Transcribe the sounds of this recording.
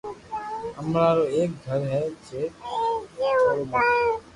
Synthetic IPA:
əmɾaːɾoːeːk̚ɡʱəɾɦɛːt͡ʃeː | ooː

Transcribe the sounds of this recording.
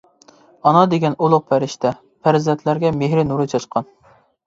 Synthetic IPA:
ɑnɑd̪eɡʲɛnolˠʊq̚pʰæɾɪʃt̪ɛ | pʰæɾzɛnt̪ʰlæɾɡʲɛmeɦɾɪnuɾɨt͡ʃʰɑt͡ʃqʰɑn

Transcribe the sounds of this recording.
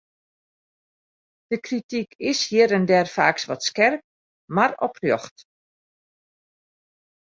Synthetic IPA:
d̥əkritikɪsjiəɾəndɛrfaːksʋɔtskɛrk̚ | marɔ̰prjɔxt

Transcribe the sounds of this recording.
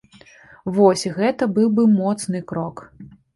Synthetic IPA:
vɔsʲiɣɛt̪ɐbɨwbɨmɔt̪snɨkɾɔk

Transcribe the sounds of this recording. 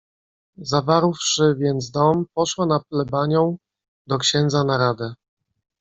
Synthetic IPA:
zavaɾwfʂɘvʲjɛnt̪s̬d̪ɔmpɔʂwanaplɛbaɲɔ̃w̃ | d̪ɔkɕɛnd̪zanaɾad̪ɛ

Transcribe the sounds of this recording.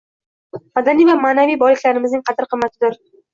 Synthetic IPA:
mad̪anijvamaːnavijbɒlˠɪkʲlaɾɪmɪznɪŋqʰɑt̪ʰɪɾqʰɨmːat̪ʰɪd̪ɪɾ

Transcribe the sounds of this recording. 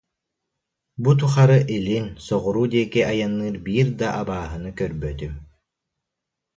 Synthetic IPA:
but̪̬uχaɾɯʔilinsɔʁɔɾuːd̪iɛkiʔajanːɯːɾbiːɾd̪aʔabaːɦɯnɯkœɾbœt̪ym

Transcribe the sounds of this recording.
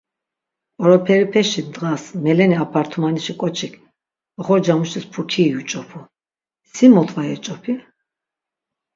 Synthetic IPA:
ɔɾɔpʰɛɾipʰɛʃind̪ʁasmɛlɛniapʰaɾt̪ʰumaniʃikʼɔt͡ʃʰikʰ | ɔχɔɾd͡ʒamuʃt̪ʰispʰukʰiːut͡ʃʼɔpʰu | simɔt̪ʰvajɛt͡ʃʼɔpʰi

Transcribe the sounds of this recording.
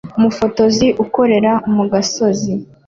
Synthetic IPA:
umufo̞to̞ziʔuko̞ɾe̞ɾaumuɡaso̞zi

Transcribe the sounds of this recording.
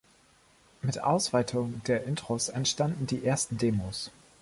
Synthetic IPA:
mɪtʔa̰ʊsv̥aɪtʰʊŋd̥eːɐʔɪntʁ̥osɛntʃtandn̩diːʔeːɐstn̩deːmoːs

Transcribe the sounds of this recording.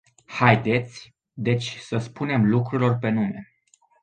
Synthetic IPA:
hajd̪e̞t̪sʲ | d̪e̞t͡ʃʲsəspune̞mlukɾuɾilo̞rpe̞nume̞

